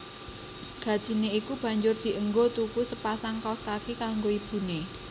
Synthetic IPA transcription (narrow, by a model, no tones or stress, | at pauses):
ɡ̥ä̤d̥ʒ̥i̤neikub̥a̤ɲd͡ʒʊrd̪̥i̤əŋɡot̪ukusəpasaŋkɔskakikaŋɡoib̥ṳne